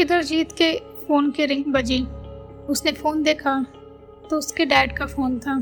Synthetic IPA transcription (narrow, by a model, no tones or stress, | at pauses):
ɪd̪əɾd͡ʒiːt̪ke | foːnkeɾɪ̃ŋɡbɐd͡ʒi | ʊsnefoːnd̪eːkʰa | t̪oʊskeɖɛːɖkafoːnt̪ʰaː